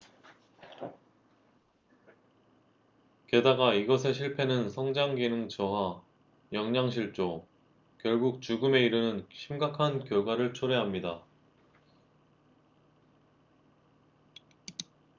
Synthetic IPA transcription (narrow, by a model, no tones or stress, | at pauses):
ke̞daɡaiɡʌsʰe̞ɕʰiɭpʰe̞nɯnsʰʌŋd͡ʑaŋɡinɯŋt͡ɕʰʌɦa | jʌŋɲaŋɕʰiɭt͡ɕ͈o | kjʌɭɡuk̚t͡ɕuɡɯme̞iɾɯnɯnɕʰimɡakʰankjʌɭɡwaɾɯɭt͡ɕʰoɾe̞ɦamɲida